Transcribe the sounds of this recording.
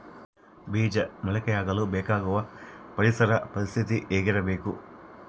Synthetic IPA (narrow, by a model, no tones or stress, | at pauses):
biːd͡ʒɐmɐɭɐkɛjaːɡɐlubɛːkaːɡuʋɐpɐɾisɐɾɐpɐɾist̪ʰit̪iʔeːɡiɾɐbe̞ːku